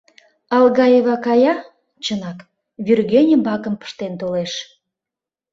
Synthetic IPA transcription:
ɑlɣɑjeβɑkɑjɑ | t͡ɕənɑk | βyrɣenʲə̆mbɑkəmpə̥ʃt̪ent̪oleʃ

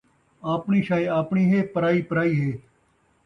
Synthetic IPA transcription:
aːpɳiːʃaːeaːpɳiːɦeːpəɾaːiːpəɾaːiːɦeː

